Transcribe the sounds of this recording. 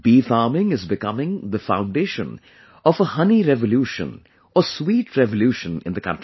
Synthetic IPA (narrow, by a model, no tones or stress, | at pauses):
b̥ifaːmɪ̃ŋɪzbɪkʌmɪ̃ŋðəfãʊ̃nɖeːʃə̰̃n | ɔfəhʌniɾɛvəljuːʃə̰̃n | əswiːʈʰɹɛvəljuːʃə̃nɪ̰̃nd̪əkʰʌ̰̃ntɹi